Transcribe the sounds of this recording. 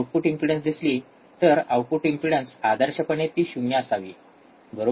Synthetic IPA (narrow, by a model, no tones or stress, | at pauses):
awpuʈimpɾiɽənsd̪isli | t̪əɾawpuʈimpɾiɽənsad̪əɾɕəpəɳet̪iːɕumjasaʋiː | bʱəɾo